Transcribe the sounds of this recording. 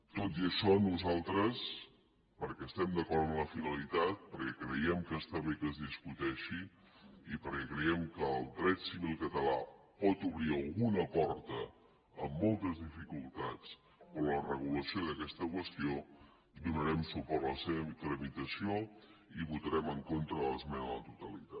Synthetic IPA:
t̪ot̪iəʃɔnuzalˠt̪ɾəs | pəɾkɛəst̪ɛmd̪əkɔɾəmləfinəlit̪at̪̚pəɾkɛkɾəjɛmkəst̪aβekəzðiskut̪ɛʃi | ipəɾkɛkɾəjɛmkəːlˠd̪ɾɛt̪siβilˠkət̪əla̰ | pɔt̪uβɾiəlˠɣunəpɔɾt̪əː | mːɔlˠt̪əzðifikulˠt̪at͡s | olərəɣuləsioðəkɛst̪əkwəst̪io | d̪unəɾɛmsupɔɾt̪ləseβəit̪ɾəmit̪əsioiβut̪əɾɛməŋkont̪ɾəəlˠəzmɛnələt̪ut̪əlit̪a

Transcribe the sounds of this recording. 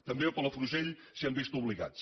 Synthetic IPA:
t̪əmbeopələfɾuʒeʎ | siambist̪uβliɣa̰t͡s

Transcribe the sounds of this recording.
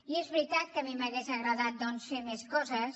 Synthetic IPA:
iezβɾit̪at̪̚kəmiməɣezəɣɾəðat̪̚d̪ɔnsfeɾmeskɔzəs

